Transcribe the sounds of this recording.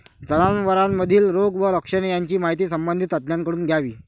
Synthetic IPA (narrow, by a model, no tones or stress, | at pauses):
d͡zənanʋəɾamːəd̪ʱiːlɾoɡʋələkʂənejaɲt͡ɕiːmaɦit̪iːsəmbənd̪ʱit̪ət̪njaŋkəɽuːnɡʱjaʋiː